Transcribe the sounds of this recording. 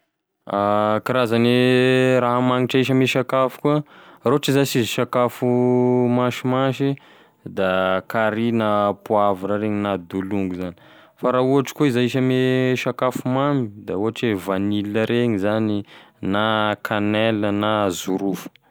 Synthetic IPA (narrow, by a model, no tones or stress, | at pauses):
akiɾazaneɾaɦamaŋiʈ͡ʂəiʃ̬əmeʃakafu̥kuəroaʈ͡ʂizasizʃakafumaʃimaʃi | d̪akaɾinapuaviɾaɾeɲinad̪uluŋɡuzani̥ | faɾauɦaʈ͡ʂi̥koizaiʃəmeʃakafumamid̪auɦaʈ͡ʂevaniləɾeɲizaninakʰanɛlənazuɾufə̥